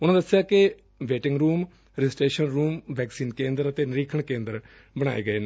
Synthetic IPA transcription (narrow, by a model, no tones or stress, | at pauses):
ʊnãːd̪əsːjaːkɪ | ʋeːʈɪŋɡɾuːm | ɾɪɪsʈeːʃənɾuːmʋɛːksiːnkẽːnd̪əɾət̪eːnəɾiːkʰəɳkẽːnd̪əɾ | bəɽ̃a̰ːḛːɡəeːnː